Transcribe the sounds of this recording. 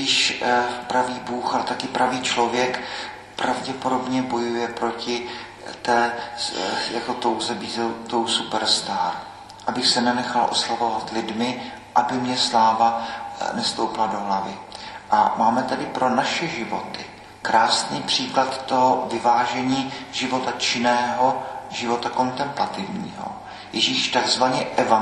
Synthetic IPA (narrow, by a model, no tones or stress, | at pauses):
ɪʃpɾaviːbuːxalɛt̪akɪpɾaviːt͡ʃlo̞vjɛk | pɾavɟɛpodo̞bɲɛbo̞jujɛpɾo̞cɪ | t̪ɛː | jakot̪owzɛbiːzɛt̪owsupɛɾst̪aːɾ | ʔabɪxsɛnɛnɛxalʔo̞̰slavo̞vat̪lɪdmɪ | ʔabɪmɲɛslaːvanɛst̪owplado̞ɦlavɪʔa̰maːmɛt̪adɪpɾo̞naʃɛʒɪvo̞t̪ɪ | kɾaːsniːpr̝̥iːklat̪t̪oɦovɪvaːʒɛɲiːʒɪvo̞t̪at͡ʃɪnɛːɦo̞ʒɪvo̞t̪ako̞nt̪ɛmplat̪ɪvɲḭːɦo̰ | jɛʒiːʃt̪aɡzvaɲɛʔɛva